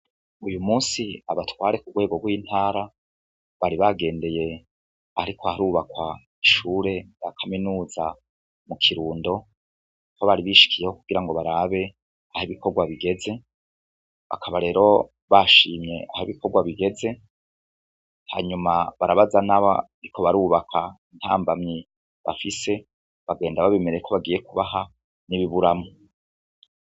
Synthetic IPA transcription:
ujumuːsiaβatwaːɾe̞kuɡwe̞ːɡoɡwiːnthaːɾa | βaɾiβaɡe̞ːnde̞je̞ | aɾikohaɾuβakwa | iʃuːɾe̞jakʰaminuːza | mukʰiɾuːndo̞ | koβaɾiβiʃi̥kʰijehokuɡ̥iɾaŋɡo̞βaɾaβe̞ | ahiβiko̞ɾɡwaβiɡe̞ze̞ | βa̰kʰaβaɾe̞ːɾo̞ | βaʃiːmɲe̞ʔahiβikoɾɡwaβiɡe̞ze̞ | ha̰ːɲumaβaɾaβazanaβa̰ | ɾikʰo̞βaɾuːβakʰain̥ha̰ːmbamɲi | βa̰fise̞ | βaɡe̞ːndaβaβemeɾekʰo̞βaɡijekuβaɦa | niβiβuɾamo

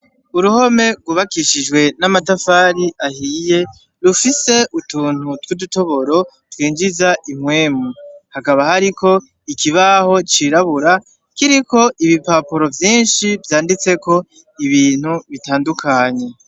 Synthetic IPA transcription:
uɾuho̞me̞ɡwuβakiʃid͡ʒɡwe̞namatafaːɾiʔahiːje̞ | ɾufise̞ʔutuːn̥utwuduto̞βo̞ɾo̞ | twiːɲd͡ʒizaʔimwe̞ːmuhakaβahaɾiko̞ | ikiβaho̞t͡ʃiɾaβuɾa | kiɾiko̞ʔiβipaːpoɾo̞vjiːnʃivjaːndit͡se̞ko̞ | iβiːn̥huβitaːndukʰaɲe̞

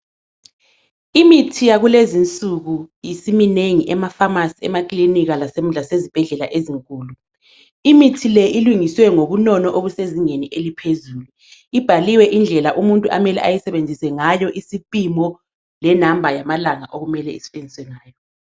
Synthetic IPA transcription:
imitʰijaɣulezint͡sʼuɣujisimineŋiʔɛmafamasiɛ̰makʼliniɣalasem̩ɮasezib̥ʱɛɮɛlaʔeziŋkʼuːlu | imitʰilɛʔiluŋiswɛŋoβunɔnɔʔoβuseziɲeniʔelipʰezuːlu | ib̥ʱaliwɛʔind͡ɮʱɛlaʔumuntʼuʔamɛlɛ̰ʔajisɛβend͡zʱisɛŋajɔʔisipʼimɔ | lɛnambʱajamalaŋaʔoɣumɛlɛisɛ̥βend͡zʱiswɛŋaːjɔ

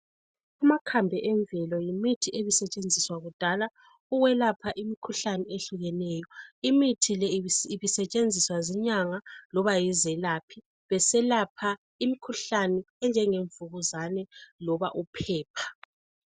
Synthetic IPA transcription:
umakʰambʱɛʔɛɱvʱɛlɔjimitʰiʔeβisɛt͡ʃʼend͡zʱiswaɣud̥ʱala | uwɛlapʰaʔimikʰuɬanɛeɬuɣɛnɛjɔimitʰilɛiβisɛt͡ʃʼend͡zʱiswazɛɲaŋalɔβajizɛlapʰi | βɛsɛlapʰa | imikʰuɬanɛ | ɛnd͡ʒʱɛŋeɱvuɣuzanɛlɔβa̰ʔupʰɛːpʰḁ

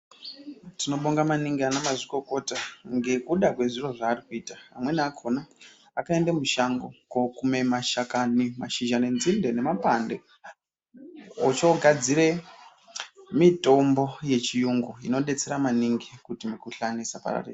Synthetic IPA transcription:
tino̞ɓoŋɡamaniŋɡianamaʐiko̞ko̞taŋɡe̞kuɗakwe̞ʐiro̞ʐaːrikuiːtaːmwe̞nakʰonaː | kae̞ndamuʃaŋɡokokume̞maʃakanimaʃiʒanenzinde̞ne̞mapande | ot͡ʃo̞ɡʱad͡ziɾe̞ | mito̞mbo̞je̞t͡ʃijuŋɡoino̞ɗe̞t͡se̞ɾamaniŋɡikutimikuɬanisapa̰ra̰rḛː

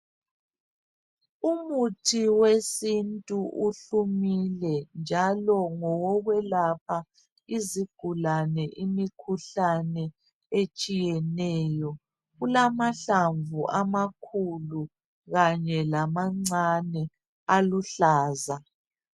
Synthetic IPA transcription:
umutʰiwesintʼuʔuɬumilɛnd͡ʒʱalɔŋɔwɔɣwɛlap̚ʰa | iziɡ̥ʱulanɛʔimikʰuɬanɛ | et͡ʃʼijɛnɛːjɔ | ɣulamaɬaɱvuʔamakʰulu | ɣaɲɛlamaŋ͡ǀanɛ | aluɬaːza

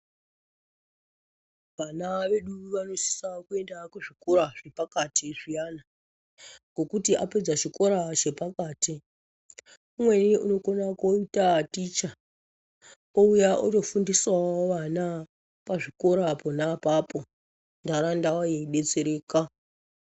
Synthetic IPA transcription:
ʋanaʋe̞ɗuʋano̞si̥sakue̞ndakuʐiko̞ɾaʐ̥e̞pakatʰiʐijana | ŋɡo̞kutiape̞d͡zaʃiko̞ɾaʃe̞pakaːti | umwe̞niuno̞konakoitatit͡ʃa | oujaʔoto̞fundiswaoʋana | paʐiko̞ɾapo̞napapo̞ | ndaɾandawajeɗe̞t͡se̞ɾeːka

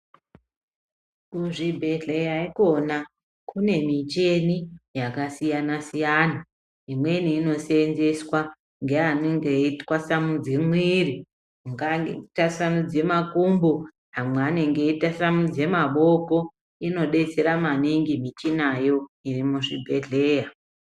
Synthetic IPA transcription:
kuʐibʱeɮejaikona | kʰune̞mit͡ʃe̞nijakasijanasijaːna | imwe̞niːno̞senzeswa | ŋɡe̞aneŋɡeitwasamud͡zimwiri | uŋɡaetasanud͡ze̞makumbo | ɦamweane̞ŋɡe̞itasamud͡ze̞maɓo̞ko̞ | ino̞ɗe̞t͡se̞ɾamaniŋɡimit͡ʃinajo̞irimuʐibʱe̞ɮe̞ja

